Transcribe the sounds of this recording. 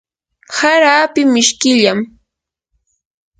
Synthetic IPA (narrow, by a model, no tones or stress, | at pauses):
haɾaːpɪmɪʃkɪʎam